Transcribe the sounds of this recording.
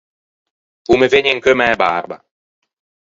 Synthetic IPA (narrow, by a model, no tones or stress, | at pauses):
umeveɲeŋkømɛːba̰rba̰